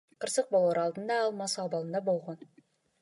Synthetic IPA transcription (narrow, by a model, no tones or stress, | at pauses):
qʰəɾsəq̚bolˠɑɾɑlˠd̪ənd̪ɑːlˠmɑsəɑbɑlˠənd̪ɑbo̞lˠʁɑn